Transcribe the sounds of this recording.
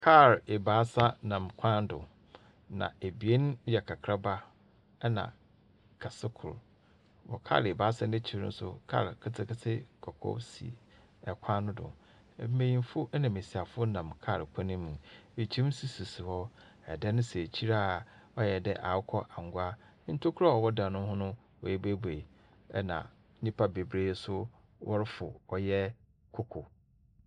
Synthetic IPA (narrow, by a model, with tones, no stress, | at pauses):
kʰa˦˨ɾe˨baː˨˦sa˦nã˨mkʷʰã˦n˦dʊ̰˨ | nã̰˨e˨bi˨e˦n˦jɛ˨kʰa˨kʰɾa˦ba˦ | nã̰˨ | kʰa˨sɪ˦kʰʊ̰˨ɾ | wɔ̰˨kʰa̰˦ɾe˨baː˨˦sa˦nɪ̃˦t͡ɕʰi˨ɾn̩̰˦sʊ̰˦kʰa̰˦˨ɾkʰɪ˦tʰɪ˦kɪ˦tʰɪ˦kʰɔ˨kʰɔ̰˦sḭ˨ | ɛ˨kʷʰã˦nʊ̃˦dʊ̰̃˨˦ | mẽ˨jĩ˨m˦fʊ˦nã˨me˨si˨a˨fʊ˦ʊ˦nã˨mkʰa˦˨ɾkʷʰa˦nĩ˦mũ˨e˨t͡ɕʰi˦si˨su˨si˨hɔ˦ | ɛ̰˨dɛ˦nʊ̃˦se˨t͡ɕʰi˦ɾa˦˨ɔ˦jɛ˨dɛ˦ʔa˨˦kʰɔ˦ʔa˨ŋ˨ɡʊ˦a˦ | n̩˦tʰo˦kʰʊ˦ɾa˦ɔ˨wɔ˦dã˨nʊ̃˦hʊ̃˦nʊ̃˦ | ɔ̰˨jɛ˦be˦be˨ | ɛ̰˦nã̰˨˦ | nĩ˦pʰa˦be˨bɾe˦sʊ˦ | wʔɔ˦ɾɪ˦fʊ˨ɔ˨jɛ˦ | kʰo˦kʰo˨